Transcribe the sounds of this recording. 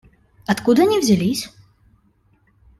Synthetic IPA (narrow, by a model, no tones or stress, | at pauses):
ɐt̪kud̪ɐnʲivzʲalʲisʲ